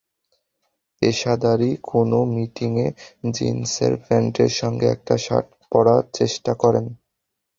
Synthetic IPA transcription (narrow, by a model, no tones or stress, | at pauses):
eʃad̪aɾikʰonomiʈiŋed͡ʑḭnsḛɾfɾɛɳʈeɾʃɔŋɡeɛ̰k̚ʈaʃa̰ʈ̚ | pɔɾaɾt͡ɕeʃʈakɔɾen